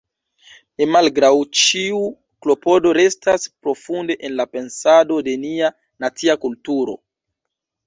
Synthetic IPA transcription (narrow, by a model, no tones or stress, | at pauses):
ne̞malɡɾawt͡ʃiu | klo̞po̞do̞ɾe̞staspɾo̞funde̞ʔenlape̞nsado̞de̞nia | nat͡siakultuɾo̞̰